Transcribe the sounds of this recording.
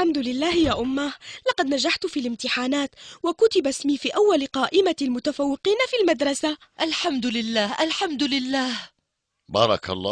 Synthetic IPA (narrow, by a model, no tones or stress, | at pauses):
ħamd̪ʊlɪlːaːhjaːʔʊmːalɑqɑd̪nad͡ʒaħt̪fiːlɪmt̪ɪħaːnaːt̪wakʊt̪ɪbasmiːfiːʔawːalɪqɑːʔɪmalmʊt̪afawːɪqiːnafiːlmad̪ɾˤɑsaʔalħamd̪ʊlɪlːaːhʔalħamd̪ʊlɪlːaːh | bɑːɾˤɑ̰ka̰lˤːɑː